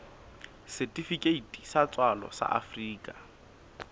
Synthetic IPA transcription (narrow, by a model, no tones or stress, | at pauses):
sɛtʼifikʼeitʼisat͡sʼwalɔ̰sa̰ʔa̰friːkʼa